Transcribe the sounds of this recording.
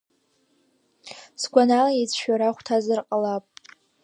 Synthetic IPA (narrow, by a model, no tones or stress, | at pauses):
sɡʷanalajet͡sʰʃᶣaɾaχʷtʰazɨrqʼalapʼ